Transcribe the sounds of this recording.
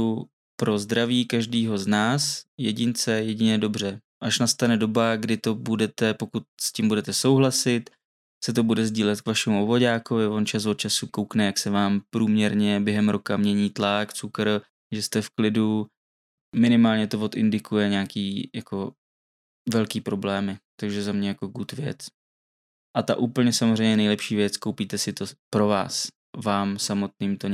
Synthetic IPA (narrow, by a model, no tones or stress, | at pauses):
u | pɾo̞zd̪ɾaviːkaʒdiːɦo̞znaːsjɛɟɪnt͡sɛjɛɟɪɲɛdo̞br̝ɛ | ʔaʃnast̪anɛdo̞baɡdɪt̪o̞budɛt̪ɛpokut̪̚scimbudɛt̪ɛso̞wɦlasɪt̪ | sɛt̪o̞budɛzɟiːlɛt̪kvaʃɛmuovoɟaːko̞vɪvo̞nt͡ʃasvot̪̚t͡ʃasukowknɛjaksɛvaːmpɾuːmɲɛɾɲɛbjɛɦɛmɾo̞kamɲɛɲiːt̪lakt͡sukɾ | ʒɛst̪ɛfklɪdu | mɪnɪmaːlɲɛt̪ovo̞t̪ɪ̰ndɪkujɛɲaːkiːjako̞ | vɛlkiːpɾo̞blɛːmɪt̪aɡʒɛzamɲɛjako̞ɡuːt̪vjɛ̰t͡s | ʔat̪a̰ʔuːpl̩ɲɛsamozr̝ɛjmɲɛnɛjlɛpʃiːvjɛt͡skowpiːt̪ɛsɪt̪o̞pɾo̞va̰ːs | vaːmsamo̞t̪niːmt̪oɲ